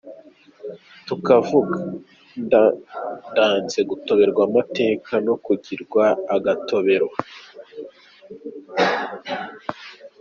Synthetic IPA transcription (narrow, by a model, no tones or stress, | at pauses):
tukavuɡa | n | ndaːnze̞ɡuto̞βe̞ɾɡwamate̞ːkʰano̞kuɟiɾɡwaːɡato̞βe̞ɾwa